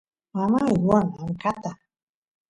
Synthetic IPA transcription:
amawɔnaŋ̩kat̪a

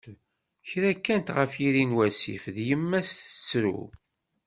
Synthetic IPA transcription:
çɾækːænt̪ʁəfiɾinwæsḭfðjəmːæsə̥t͡sːɾṵ

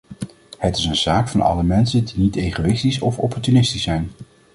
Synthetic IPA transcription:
hətɪsənz̥aːkfɑnɑ̰ləmɛnsəndinitejχowɪstisɔfɔpɔɹtynɪstisɛjn

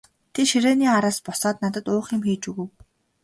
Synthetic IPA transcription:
t̪ʰeʃiɾeːniːaɾaːspɔsɔːt̪̚nat̪ə̆t̪ʊːχimxiːt͡ɕuɣɘ̆w

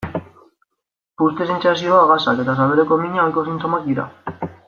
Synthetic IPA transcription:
pust̪es̬ent͡ʃas̬ioaɣasaket̪as̬aβeɾekomiɲaojkoθint̪omakiɾa̰

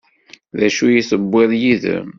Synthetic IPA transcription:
ðæʃujisəbːeðˤjiðə̰m

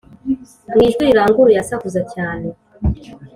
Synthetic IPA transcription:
ŋiːʒɡuɾiɾaːŋɡuɾujasahuzacaːne

